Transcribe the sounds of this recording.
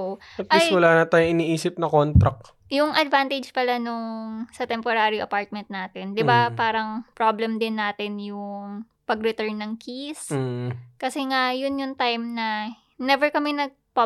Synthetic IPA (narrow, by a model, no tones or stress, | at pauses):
t̪ɐposwɐlaːnɐt̪aːjoʔɪniʔiːsɪp̚nɐkont̪ɾɐ̰k̚ | jʊŋʔɐd̪vant̪ɛd͡ʒpɐlanʊŋsɐt̪ɛmpoɾaːɾiʔɐ̰paɹt̪̚mɛnt̪̚naːt̪ɛnd̪ɪbapaːɾɐŋpɹoblɛmd̪ɪnːaːt̪ɪnjʊŋ | pɐɡɾɪt̪ɛɹnːɐŋkʰis | kɐsɛŋajʊnjʊŋt̪ajmnɐ | nɛvɛɹkɐmɛnɐɡ̚pɐ